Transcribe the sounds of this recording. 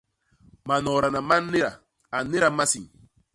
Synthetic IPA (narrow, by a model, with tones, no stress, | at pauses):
ma˨nɔ˨ɾa˨na˨ma˦ne˦ɾa˨ | a˨˦ne˦ɾa˨ma˦si˨ŋ